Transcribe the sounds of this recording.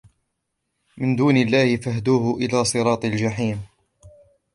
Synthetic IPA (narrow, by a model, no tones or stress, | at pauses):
mɪnd̪uːnɪlːaːhɪfahd̪uːhʊʔɪlaːsˤɨɾˤɑːt̪ˤɪld͡ʒaħiːm